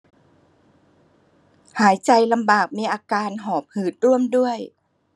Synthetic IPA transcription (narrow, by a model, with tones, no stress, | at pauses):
haː˩˦jt͡ɕa˧jla˧mbaː˨˩k̚miː˧ʔaː˧kaː˧nɦɔː˨˩p̚hɯː˨˩t̪̚ɾu˥˩əmdu˥˩əj